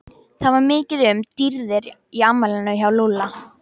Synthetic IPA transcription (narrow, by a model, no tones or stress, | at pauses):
θaðvaɾmɪːcɪðʏmt̪iɾðɪɾiamːalɪnʏçawlula